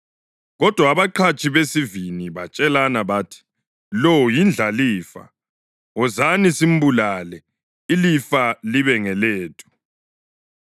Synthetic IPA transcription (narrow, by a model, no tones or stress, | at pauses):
ɣɔd̥ʱwaːβaǃʰat͡ʃʼʰiβesiviniβat͡ʃʼɛlanaβaːtʰi̥ | lowujind͡ɮʱaliːfa̰ | ɔzanisim̩bulaːlɛ | ilifaliβɛŋɛleːtʼʰu̥